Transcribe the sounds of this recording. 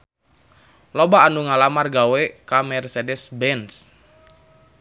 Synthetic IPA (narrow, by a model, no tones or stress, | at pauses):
lobaːnuŋalamarɡawɛkamɛrsɛdɛsbɛns